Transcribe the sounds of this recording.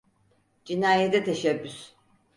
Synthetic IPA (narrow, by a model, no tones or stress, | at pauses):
d͡ʒinaːjet̪ɛt̪ʰeʃɛbːys